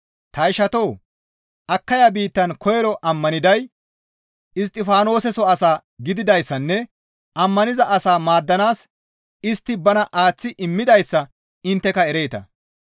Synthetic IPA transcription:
t̪ɐɪʃɐt̪o̞ː | ʔɐkːɐjabiːt̪ːɐnkɔjɛɾɔʔɐmːɐnɪd̪ɐj | ɪs̬t̪ʼːɪfaːno̞ːsɛsɔɐsaː | ɡɪd̪ɪd̪ɐjsːɐnːɛ | ʔɐmːɐnɪzɐʔɐsaːmaːd̪ːɐnaːs | ɪst̪ːɪbɐnɐʔaːt͡sːɪʔɪmːɪd̪ɐjsːɐ | ɪnt̪ːɛkɐɛɾe̞jːt̪ɐ̰

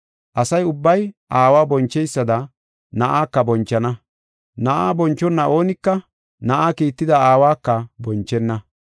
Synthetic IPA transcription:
ʔɐsɐjʊbːɐjʔaːwaːbɔnt͡ʃːɛjsːɐd̪ɐ | nɐʔaːkːɐbɔnt͡ʃːɐnɐ | nɐʔaːbɔnt͡ʃːɔnːɐo̞ːnɪkːɐ | nɐʔaːkiːt̪ːɪd̪ɐaːwaːkːɐbɔnt͡ʃːɛnːɐ

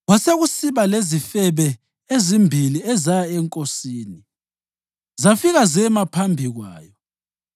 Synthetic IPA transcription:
ɣwaseɣusiβalezifɛβɛ | ezimbʱiliɛzajaɛŋkʼosiːni | zafiɣazɛmapʰambʱiɣwa̰ːjɔ

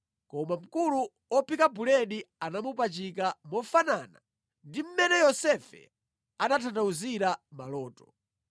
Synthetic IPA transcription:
kɔmam̩kulu | ɔpikabulɛɗianamupat͡ʃik̬amɔfanana̰ | ndim̩mɛnɛjɔsɛfɛ̰ | anatʰandauziɾamalɔːtɔ̥

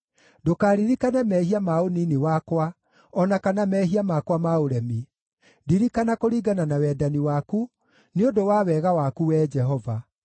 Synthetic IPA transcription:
dokaːɾiɾikanɛmɛːhiamaoninewakwa | ɔnakanamɛɦiamakwamaoɾɛmi | diɾikanakoɾiːɡananawɛdaniwaːku | neodowaːwɛːɣawakuwɛːd͡ʒɛɦɔva

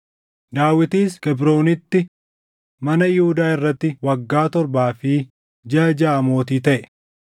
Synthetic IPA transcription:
d̪aːwɪt̪iːskɛbɾo̞ːnɪt̪ːɪ | mɐnɐjɪhʊd̪aːɪrːɐt̪ːɪwɐɡːaːt̪ɔɾbaːfɪ | d͡ʒaːd͡ʒaːɐmo̞ːt̪iːt̪ɐʔɛ

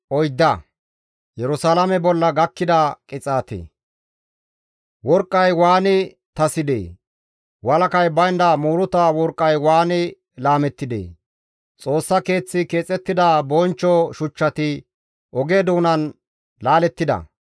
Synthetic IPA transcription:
ʔɔjd̪ːɐ | jɛɾʊsaːlɐmɛbɔlːɐɡɐkːɪd̪ɐkʼɪt͡sʼaːt̪ḛ | wɔɾkʼːɐjwaːnɪ | t̪ɐsɪd̪ḛː | wɐlɐkɐjbɐjnd̪ɐmuːɾʊt̪awɔɾkʼːɐjwaːnɪ | laːmɛt̪ːɪd̪ḛː | t͡sʼo̞ːsːɐke̞ːt͡sːɪke̞ːt͡sʼːɛt̪ːɪd̪ɐbɔnt͡ʃːɔʃʊt͡ʃːɐt̪ɪ | ʔɔɡeːd̪uːnɐn | laːlɛt̪ːɪd̪ɐ̰

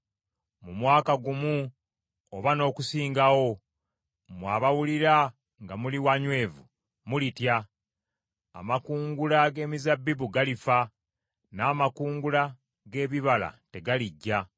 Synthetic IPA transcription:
mumwaːkaɡumu | oβano̞ːkusiːŋɡawo̞ | mwaːβawuliɾa | ŋɡamuliwaɲwe̞ːvu | mulitja | a̰makuːŋɡulaɡe̞ːmizabːiβuɡalifa | naːmakuːŋɡula | ɡe̞ːβiβala̰te̞ɡaliɟːa

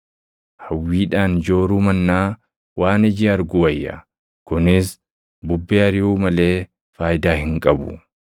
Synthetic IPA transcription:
hɐwːiːᶑaːnd͡ʒo̞ːɾuːmɐnːaː | waːnɪd͡ʒɪɐɾɡʊɐjːɐ̰ | kʊnɪs | bʊbːeːɐɾɪuːmɐle̞ː | faːjɪd̪aːhɪŋkʼɐbʊ̰

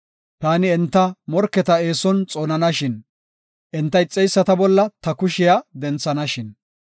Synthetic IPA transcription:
t̪aːnɪɛnt̪ːɐmɔɾkːɛt̪ɐe̞ːsɔnt͡sʼoːnɐnɐʃɪn | ʔɛnt̪ːɐjt͡sʼːɛjsːɐt̪ɐbɔlːɐt̪ɐkʊʃɪjad̪ɛnt͡sːɐnɐʃɪn

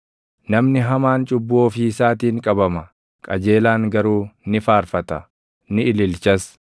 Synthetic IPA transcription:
nɐmnɪɦɐmaːnt͡ʃʼʊbːoːfiːɪsaːt̪iːŋkʼɐbɐmɐ | kʼɐd͡ʒe̞ːlaːŋɡɐɾuːnɪfaːɾfɐt̪ɐ | nɪɪlɪlt͡ʃɐs

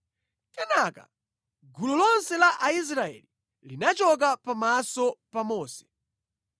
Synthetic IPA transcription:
kɛnaka̰ | ɡululɔnsɛlaʔais̬ɾaɛ̰li | linat͡ʃɔk̬apamasɔpamɔːsɛ̥

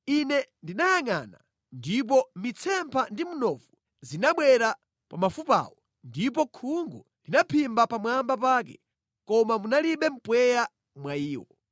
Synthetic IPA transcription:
inɛndinajaŋana | ndip̬ɔmit͡sʰɛmpʰandimunɔfu | zinaɓwɛɾa | pamafupa̰wɔ | ndip̬ɔkʰuŋɡu | ldinapʰimbapamwambap̬aːk̬ɛ̰ | kɔmamunaliɓɛm̩pwɛja | mwaiːwɔ

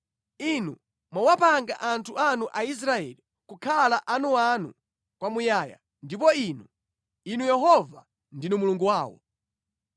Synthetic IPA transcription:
inu | mwawapaŋɡa̰ʔantʰuʔanuʔais̬ɾaɛli | kukʰalaʔanuanṵ | kwamujaːja̰ | ndip̬ɔiːnu | inujɛɦɔva | ndinumuluŋɡuwaːwɔ̰

